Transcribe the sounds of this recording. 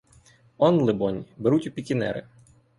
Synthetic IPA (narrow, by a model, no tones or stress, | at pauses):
ɔnlˠɪbɔnʲbeɾutʲʊpʲikʲɪnɛ̰ɾɪ̰